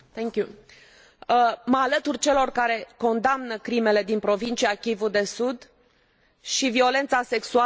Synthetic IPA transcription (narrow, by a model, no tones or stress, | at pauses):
θɛŋkʲju | məalət̪urʲt͡ʃe̞lo̞rkaɾe̞ko̞nd̪amnəkɾime̞le̞d̪inpɾo̞vint͡ʃiakʲivud̪e̞sud̪ | ʃivio̞le̞nt̪sase̞ksua